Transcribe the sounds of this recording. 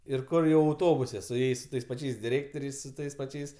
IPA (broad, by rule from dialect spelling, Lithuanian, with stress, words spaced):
ɪr ˈkʊr jɛʊ ɐʊˈtoːbʊsʲɛ sʊ ˈjɛɪs sʊ ˈtɐɪs pɐˈt͡ʃʲɛɪs dʲɪˈrʲeːktoːrʲɛɪs sʊ ˈtɐɪs pɐˈt͡ʃʲɛɪs